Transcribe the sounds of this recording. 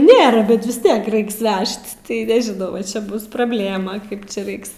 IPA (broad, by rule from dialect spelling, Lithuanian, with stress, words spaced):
ˈnʲeːrɐ ˈbʲɛt ʋʲɪs ˈtʲiɛk ˈrʲɛɪks ˈʋʲɛʃt tɐɪ nʲɛʒʲɪˈnɐʊ ʋɐˈt͡ʃʲɛ ˈbʊs prɐbʲˈlʲeːmɐ ˈkɐɪp t͡ʃʲɛ ˈrɐɪks